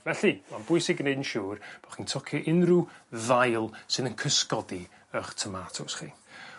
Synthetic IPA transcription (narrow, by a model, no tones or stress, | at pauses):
vɛɬɨmanbʊɨsɪɡnejdnʃuːrb̥ɔχintʰɔkʰjɔʔɪnruðajlˠsɨðənkʰəskɔdi | əχtʰəmatʰʊsχiː